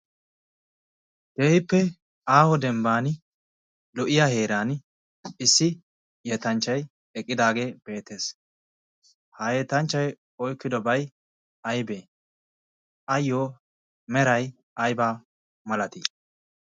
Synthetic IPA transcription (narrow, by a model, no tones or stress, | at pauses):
d̪̥eːhɪpːɛ | aːhɔd̪ɛmbaːn | lɔʔɪjahe̞ːɾaːn | ɪsːɪ | jɛt̪ɐnt͡ʃːɐj | ɛkʼːɪd̪aːɡe̞ːb̥e̞ːt̪ːe̞ːs | hɐjeːt̪ɐnt͡ʃːɐj | ɔjkːɪd̪ɔbɐj | ɐjbe | ɐjːoː | mɛɾɐj | ɐjbaː | mɐlɐt̪i